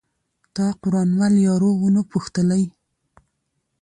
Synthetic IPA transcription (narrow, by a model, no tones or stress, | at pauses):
t̪ɑqʊɾɑnwaljɑɾowunopʊxt̪əlaj